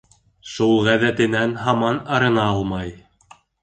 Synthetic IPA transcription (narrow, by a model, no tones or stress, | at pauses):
ʃulˠʁæðæt̪ɘ̆nænɦɑmɑnɑɾɤ̆nɑɑlˠmɑj